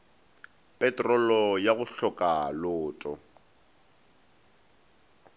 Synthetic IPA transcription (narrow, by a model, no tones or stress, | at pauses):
pʼɛtʼrɔlɔjaɣʊɬɔkʼalʊːtʼɔ